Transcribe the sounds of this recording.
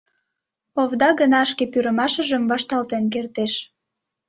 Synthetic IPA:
oβd̪ɑɣənɑʃkepyɾəmɑʃəʒəmvɑʃt̪ɑlt̪enk̬ert̪eʃ

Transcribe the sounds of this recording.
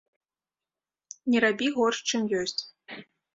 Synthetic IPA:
nʲɛɾabʲiɣɔrʂt͡ʂɨmjɔsʲt͡sʲ

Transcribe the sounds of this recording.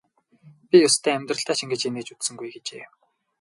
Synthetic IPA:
pʲijʊst̪ʰæːæmʲt̪rə̆ɬt̪aːt͡ɕiŋɡɘ̆t͡ɕeneːt͡ɕut͡ssɵ̆ŋɡujɡet͡ɕeː

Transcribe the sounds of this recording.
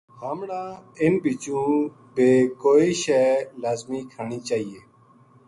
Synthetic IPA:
haːmɳãːɪnbiːt͡ʃũː | beːkoːiːʃɛːlaːzmiːkʰəɳiːt͡ʃaːɦiːeː

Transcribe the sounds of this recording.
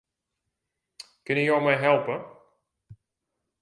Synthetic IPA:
kənəjowmɛjɦɛlˠpə

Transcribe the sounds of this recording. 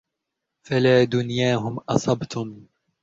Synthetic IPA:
falaːd̪ʊnjaːɦʊmʔɑsˤɑbt̪ʰʊm

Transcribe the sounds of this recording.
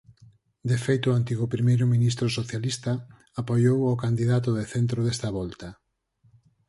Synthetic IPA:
d̪efejt̪ʊant̪iɣʊpɾimejɾʊmĩnist̪ɾʊsoθjalist̪ɐ | apojowokand̪iðat̪̬ʊðeθent̪ɾoðest̪ɐβɔlt̪ɐ

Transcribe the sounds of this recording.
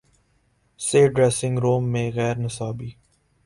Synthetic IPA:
seːɖɾɛːsɪ̃ŋɡɾoːmːẽɣɛːɾnɪsaːbiː

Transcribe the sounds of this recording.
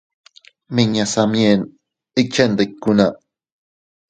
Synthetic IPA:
miɲasamjen | ik̚t͡ʃend̪ekːuna

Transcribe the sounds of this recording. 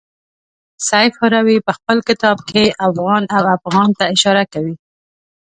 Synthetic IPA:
sajfaɾawipəxpəlkɪt̪ɑb̚kʰeʔafɣɑnawafɣɑnt̪aɪʃɑɾakawi

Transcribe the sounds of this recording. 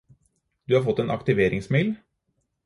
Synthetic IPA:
d̪̥ʉːhɑɾfɔt̪ːeːnʔɑ̰kt̪ɪʋeːɾɪŋsmil

